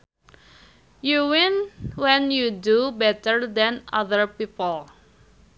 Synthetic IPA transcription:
juwɪ̃nwɛ̃njudubɛtəɹd̪ɛ̃na̰ðəɹpipəl

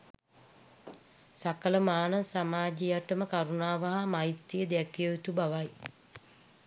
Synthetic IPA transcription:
sakələmaːnɐsamaːd͡ʒijaʈəməkaɾunaːʋaɦamait̪ːijəd̪ækijoit̪ubaʋaj

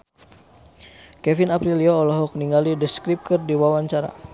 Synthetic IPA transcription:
kɛfinapɾilioɔlɔɦɔk̚niŋɡalidəskɾip̚kərdiwawaɲt͡ʃaɾa̰

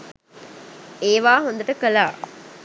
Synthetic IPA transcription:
eːʋaːɦond̪ɐʈəkəlaː

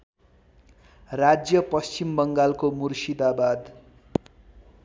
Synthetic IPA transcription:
rad͡zjʌpʌst͡ɕimbʌŋɡalkomursid̪abad̪

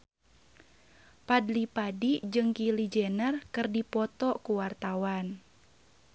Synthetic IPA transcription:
padlipadid͡ʒɨŋkilid͡ʒɛnərkɨrdipɔt̪ɔkuwart̪awan

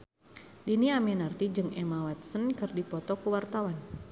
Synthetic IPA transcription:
diniamɛnart̪id͡ʒɨŋɛmawat̪̚sənkɨrdipɔt̪ɔkuwart̪awan

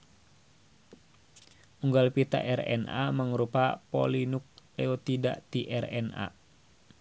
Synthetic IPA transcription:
uŋɡalpit̪a̰ʔɛrɛ̰na̰məŋɾupapɔ̰linuk̚lɛɔt̪ida̰ʔt̪iʔɛrɛna̰

